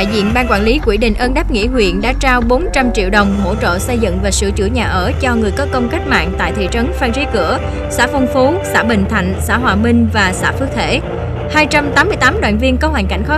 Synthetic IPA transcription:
a̰˧˨jzḭ˧˨ənɓaː˧nkwaː˧˩nli˨˦kwi˧˩ɗï˧˨ŋ̟ʔəː˧nɗa˦˥p̚ŋḭ˧˥hwḭ˧˨ənɗa̰ː˧˥t͡ɕaː˧wɓo˨˦nt͡ɕa˧mt͡ɕḭ˧˨əwɗə˨˩wŋ͡mho̰˧˥t͡ɕo̰˧˨sə˧jzɨ̰˧˨ŋvaː˨˩sɨ̰˧˩t͡ɕɨ̰˧˩ɲaː˨˩ʔəː˧˩t͡ɕɔ˧ŋɨ˨˩əjkɔ˨˦kə˧wŋ͡mka˦˥k̟̚ma̰ː˧˨ŋt̪a̰ː˧˨jt̪ʰḭ˧˨t͡ɕə˨˦nfaː˧ŋzi˨˦kɨ̰˧˩ə | sa̰ː˧˥fɔ˧wŋ͡mfo˨˦sa̰ː˧˥ɓï˧˨ŋ̟t̪ʰa˧˨jŋ̟sa̰ː˧˥ɦwaː˨˩mï˧ŋ̟vaː˨˩sa̰ː˧˥fɨ˦˥ək̚t̪ʰe˧˩ | haː˧jt͡ɕa˧mt̪aː˨˦mɨ˧əjt̪aː˨˦mɗwa̰ː˧˨nvi˧ənkə˧˦ha˨˩ŋ̟ka˧˩jŋ̟xɔ˦˥

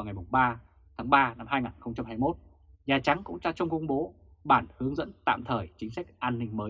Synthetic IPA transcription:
a˨˩wŋa˨˩jmʊ˨˩ŋ͡mɓaː˧ | t̪ʰaː˨˦ŋɓaː˧na˧mɦaː˧jŋaː˨˩nxə˧wŋ͡mt͡ɕa˧mɦaː˧jmo˦˥t̚ | ɲaː˨˩t͡ɕa˨˦ŋkʊ̰˧˥ŋ͡mt͡ɕaː˧t͡ɕə˧wŋ͡mkə˧wŋ͡mɓo˨˦ | ɓaː˧˩nhɨ˨˦əŋzə̰˧˥nt̪a̰ː˧˨mt̪ʰəː˧˨˩jt͡ɕï˨˦ŋ̟sa˦˥jk̚ʔaː˧nːï˧ŋ̟məː˨˦j

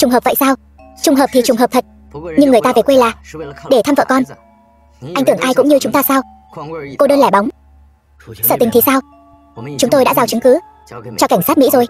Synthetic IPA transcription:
t͡ɕʊ˨˩ŋ͡mɦəː˨˩p̚və̰˧˨jsaː˧w | t͡ɕʊ˨˩ŋ͡mɦəː˨˩p̚t̪ʰi˨˩t͡ɕʊ˨˩ŋ͡mɦəː˨˩p̚t̪ʰə˨˩t̚ | ɲɨ˧ŋːɨ˨˩əjt̪aː˧ve˨˩kwe˧jlaː˨˩ɗe˧˩t̪ʰaː˧mvə̰ː˧˨kɔ˧n | ʔa˧jŋt̪ɨ˧˩əŋʔaː˧jkʊ̰˧˥ŋ͡mɲɨ˧t͡ɕʊ˨˦ŋ͡mt̪aː˧saː˧w | ko˧ɗəː˧nlɛ˧˩ɓa˨˦wŋ͡m | səː˧˩t̪ï̟˨˩t̪ʰi˨˩saː˧w | t͡ɕʊ˨˦ŋ͡mt̪o˧jɗa̰ː˧˥zaː˧˩wt͡ɕɨ˨˦ŋkɨ˨˦ | t͡ɕɔ˧ka˧˩ŋ̟sa˦˥t̚mḭ˧˥zo˨˩j

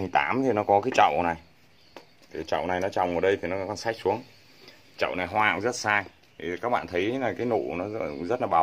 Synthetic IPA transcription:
i˨˩t̪a̰ː˨˦mt̪ʰi˨˩nɔ˨˦kɔ˨˦kaː˨˦jt͡ɕə̰˧˨wʔna˨˩j | t̪ʰi˨˩t͡ɕə̰˧˨wna˨˩jnɔ˨˦t͡ɕa˨˩wŋ͡mʔəː˨˩ɗə˧jt̪ʰi˨˩nɔ˨˦˨kɔ˧nsa˦˥jk̟̚su˨˦əŋ | t͡ɕə̰˧˨wna˨˩jɦwaː˧a̰˨ŋ͡mzə˦˥t̚saː˧j | t̪ʰi˨˩kaː˦˥k̚ɓa̰ː˧˨nt̪ʰə˨˦jlaː˨˩kaː˨˦jno̰˧˨nɔ˨˦zə˦˥t̚laː˨˩ɓa˨˦w

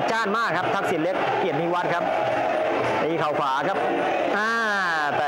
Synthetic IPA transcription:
t͡ɕaː˥˩nmaː˥˩kʰːa˦˥p̚t̪ʰa˦˥k̚si˨˩n̚le˦˥k̚ | kːi˨˩ət̪niː˦˥˩wa˦˥t̪̚kʰa˦˥p̚ | t̪iː˧kʰa˨˩wkʰwaː˩˦kʰa˦˥p̚ | ʔaː˧ | t̪ɛː˨

